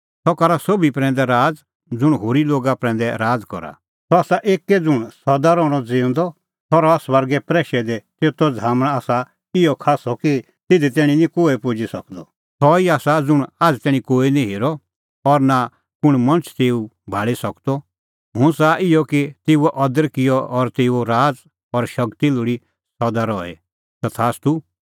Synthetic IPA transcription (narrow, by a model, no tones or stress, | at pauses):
t̪ɔkɐɾasobipɾɛ̃ːnd̪ɛɾaːd͡z | d͡zʊɽ̃ɦoːɾiloːɡapɾɛ̃ːnd̪ɛɾaːd͡zkɔ̰ɾa̰ | t̪ɔaːsaʔeːkːed͡zʊɽ̃sɐd̪aɾɔːɽ̃ɔd͡zẽːʊ̃nd̪ɔ | t̪ʰɔːɾɔasʋəɾɡɛpɾɛːʃɛd̪et̪eːt̪ɔd͡zʱaːməɽ̃aːsa | ɪɔkʰaːsɔki | t̪ɪd̪it̪ɛːɽ̃ĩnĩkoːɛpʊd͡ʒisɐkd̪ɔ | t̪ʰɔiaːsad͡zʊɽ̃aːd͡zt̪ɛːɽ̃ĩkoːinĩɦeːɾɔ | ɔɾna | pʊɽ̃mɐ̃nt͡ʃʰt̪eːu | bʱaːɭisɐkd̪ɔ | ɦʊ̃saʔɪjɔkit̪eːuɛʔɐd̪əɾkɪjɔɔɾt̪eːuoɾaːd͡z | ɔɾʃɐkt̪ilʊɽi | sɐd̪aɾɔːɛ̰ | sɐt̪ʰaːst̪u